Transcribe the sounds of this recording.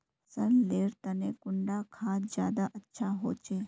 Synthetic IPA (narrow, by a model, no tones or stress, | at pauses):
sɐɾleːɾt̪ɐnekʊɳɖakʰaːt̪d͡ʒjaːd̪aʔɐtːʃʰaɦo̰ːt͡ʃeː